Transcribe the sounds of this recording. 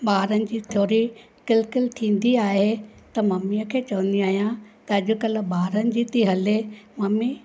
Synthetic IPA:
ɓaːɾənɪ̆d͡ʑiːt̪ʰjoːɾi | kɪlkɪlt̪ʰĩːn̆d̪iaːɦet̪ɐmɐmiəkʰeːt͡ɕɐʋə̃n̆d̪iaːɦijãt̪ɐɐʄʊ̆kɐl̆ɓaːɾənɪ̆d͡ʑiːt̪iɦɐlemɐmi

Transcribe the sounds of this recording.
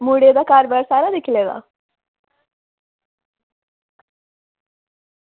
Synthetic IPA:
muɖed̪akɑːɾbaɾsaɾad̪ekiled̪a̰

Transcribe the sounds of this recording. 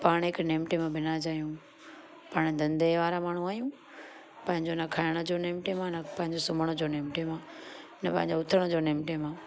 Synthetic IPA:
paːɽ̃ɦɪkneːmʈemãbʱɪnad͡ʑaːijũ | paːɽ̃d̪ɐ̃nd̪ʱeʋaːɾamaːɳ̤ũaːjũ | pɐ̃ɦɪ̃ɲd͡ʑonɐkʰaːɪɽ̃əd͡ʑoːneːmʈemãnɐpɐ̃ɦɪ̃ɲd͡ʑosʊməɽ̃ʊd͡ʑoːneːmʈemã | nɐpɐ̃ɦɪ̃ɲd͡ʑoʊt̪ʰəɽ̃d͡ʑoːneːmʈemãː

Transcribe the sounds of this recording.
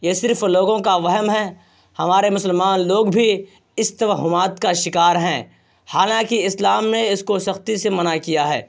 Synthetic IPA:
jesɪɾfloːɡõkaʋɛɦəmɦɛ | hɐmaːɾemʊsəlmaːnloːɡbʱi | ɪst̪ɐʋəɦʊmaːt̪kaʃɪkaːɾɦɛ̃ː | haːlãːkiɪslaːmneɪskosɐxt̪isemɐnakijaɦɛ̰ː

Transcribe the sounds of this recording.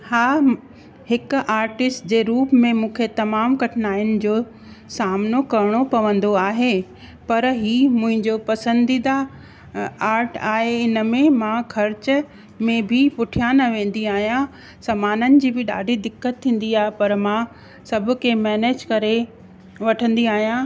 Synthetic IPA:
haː | hɪkaːɾʈɪsʈd͡ʑeːɾuːpmẽmũːkʰet̪ɐmaːmkɐʈʰɪnaːɪjʊnɪ̆d͡ʑoː | saːmnokɐɾɪɽ̃opɐʋə̃nd̪oaːɦe | pɐɾɦiːmʊ̃ɦɪ̃ɲd͡ʑopɐsə̃nd̪id̪a | aːɾʈaːɦeɪnə̆mẽmãkʰɐɾt͡ɕ | mẽbʱɪpʊʈʰijaːnɐʋẽːn̆d̪iaːɦijã | sɐmaːnənɪ̆d͡ʑiːbʱɪɗa̰ːɖʱid̪ɪkːət̪ʰːĩːn̆d̪iaːɦepɐɾmã | sɐbʱʊ̆kʰemɛːneːd͡ʑkɐɾe | ʋɐʈʰə̃nd̪iaːɦijã

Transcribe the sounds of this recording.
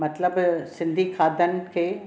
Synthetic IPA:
mɐt̪ləbsɪ̃nd̪ʱiːkʰaːd̪ʱənke

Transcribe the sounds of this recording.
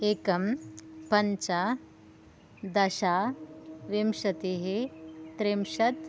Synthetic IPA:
eːkɐmpɐɲt͡ʃa | d̪ɐɕa | ʋemʂɐt̪eɦet̪ɾemʃɐt̪

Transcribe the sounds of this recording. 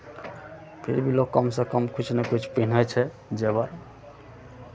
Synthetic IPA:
pʰiɾbilokɔmsẽkɔmkʰut͡ʃʰnɛkut͡ʃʰpinət͡ʃʰɛ | d͡ʒebaɾ

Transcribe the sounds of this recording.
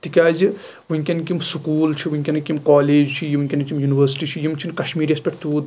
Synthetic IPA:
t̪ikʲaːzi | ʋuŋʲkʲɐnkimsukuːlt͡ʃʰiʋuŋʲkʲɐnɨkʲimkaːleːd͡ʒt͡ʃʰijiʋuŋʲkʲɐnkimjuːniʋɐɾsi̥ʈit͡ʃʰijimt͡ʃʰinkɐʃmiːɾespʲeʈt̪uːd̪

